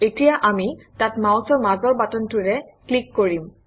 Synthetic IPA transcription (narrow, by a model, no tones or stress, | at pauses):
etijaʔamitatmawsɔɹmazɔɹbatɔntʊɹɛklikːoɹim